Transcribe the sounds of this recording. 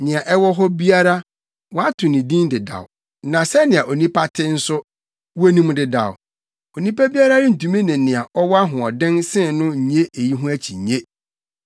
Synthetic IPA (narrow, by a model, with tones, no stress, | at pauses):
nɪ̃˨a˨ʔɛ˦wɔ˦ɦɔ˦bi˦a˦ɾa˦ | wɔ˨˦a˦tʰʊ˨nɪ̃˨dĩ˦ndɪ˨da̰˨w | nã˨sɛ˦nɪ̃˨a˨ʔo˨nĩ˦pʰa˦tʰɪ˦n̩˦sʊ˦ | we˦nũ˦mdɪ˨da̰˨w | o˨nĩ˦pa˦bi˦a˦ɾa˦dɪ˦n̩˨tũ˨mĩ˦nɪ̃˨nɪ̃˨a˨ʔɔ˦wɔ˦a˦ɦʊ̃˨ɔ˨dɪ̃˦nsɪ̃˦nʊ̃˦ɲ̩˨ɲe˦e˨ji˦ɦʊ̃˦æ˦t͡ɕʰi˨ɲ˨ɲẽ˦